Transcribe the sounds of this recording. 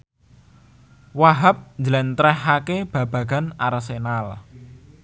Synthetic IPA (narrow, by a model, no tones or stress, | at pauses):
waɦap̚ɲd͡ʒəlɛnt̪ɾɛhːakeb̥ä̤b̥ä̤ɡ̥a̤narsenal